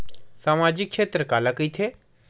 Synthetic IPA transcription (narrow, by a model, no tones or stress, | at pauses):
saːmaːd͡ʒɪkːʃʰeːt̪ɾəkaːlakit̪ʰeː